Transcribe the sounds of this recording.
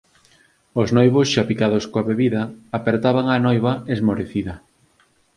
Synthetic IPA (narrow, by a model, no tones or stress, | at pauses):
oznojβosʃapikaðoskoaβeβiðɐːpeɾt̪aβaŋanojβɐezmoɾeθiðɐ